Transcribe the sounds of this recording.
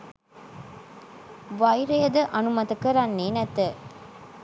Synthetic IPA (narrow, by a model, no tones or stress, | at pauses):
ʋɐjɾejəd̪əʔɐnumɐt̪ɐkəɾanːeːnɛt̪ə